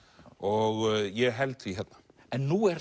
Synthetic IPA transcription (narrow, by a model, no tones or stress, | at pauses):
ɔɣjɛɦɛlt̪iɦɛt̪ːḁ | ɛnːuɛɾ